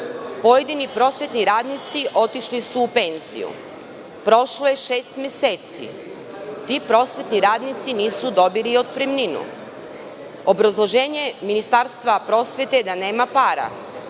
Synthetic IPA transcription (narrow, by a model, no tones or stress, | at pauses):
po̞jed̪inipɾo̞sʋe̞t̪niɾaːd̪nit̪siʔo̞t̪iʃlisuːpe̞nz̥ḭjṵ | pɾo̞ʃloje̞ʃe̞ːst̪mjese̞ːt̪sḭ | t̪ipɾo̞sʋe̞t̪niɾaːd̪nit̪siniːsud̪o̞bilio̞d̪̚pɾemninṵ | obɾazlˠo̞ʒeːɲe̞minist̪aɾst̪ʋapɾo̞ːsʋe̞t̪ed̪ane̞ːmapaːɾa̰